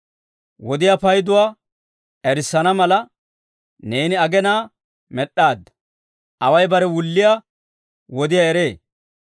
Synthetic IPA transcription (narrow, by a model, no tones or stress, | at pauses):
wɔd̪ɪjapɐjd̪ʊwaː | ɛɾɪsːɐnɐmɐlɐ | ne̞ːnɪɐɡɛnaː | mɛɗːaːd̪ːɐ | ʔɐwɐjbɐɾɛwʊlːɪja | wɔd̪ɪjaɛɾe̞ː